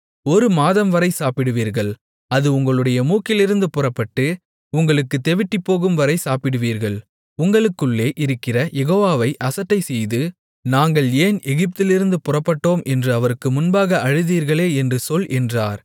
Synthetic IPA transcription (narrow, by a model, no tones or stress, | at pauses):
ɔɾɯmaːðɐmʋɐɾɐɪsaːpɪɽɯʋiːɾɣɐɭ | ɐðɯʊŋɡɐɭɯɽɐjɐmuːkɪlɪɾɯnd̪ɯpʊrɐpːɐʈːɯ | ʊŋɡɐɭɯkːɯt̪ɛʋɪʈːipːoːɣɯmʋɐɾɐɪsaːpɪɽɯʋiːɾɣɐɭ | ʊŋɡɐɭɯkːɯɭːeːʔɪɾɯkːɪrɐjɛɣoːʋaːʋɐɪʔɐsɐʈːɐɪsɛjðɯ | naːŋɡɐɭeːnɛɣɪp̚t̪ɪlɪɾɯnd̪ɯpʊrɐpːɐʈːoːmʔɛndrɯɐʋɐɾɯkːɯmʊnbaːɣɐʔɐɻɯðiːɾɣɐɭeːɛndrɯsɔlʔɛndra̰ːɾ